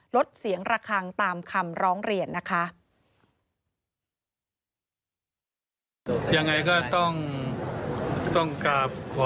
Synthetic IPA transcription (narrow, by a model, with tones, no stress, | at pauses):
lo˦˥t̪̚si˩˦əŋɾaː˧kʰaː˧ŋt̪aː˧mkʰa˧mɾɔː˦˥ŋɾi˧ənːa˦˥kʰa˦˥ʔ | ja˧ŋːa˧jkɔː˥˩t̪ɔ˥˩ŋ | t̪ɔ˥˩ŋkaː˧˩p̚kʰɔː˨˦